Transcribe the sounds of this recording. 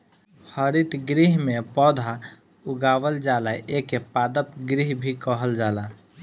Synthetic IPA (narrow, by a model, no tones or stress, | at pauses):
həɾit̪ɡɾiɦmepɔd̪ʱa | uɡaʋəld͡ʒalaʔekepad̪əp̚ɡɾiɦbʱikəɦəld͡ʒala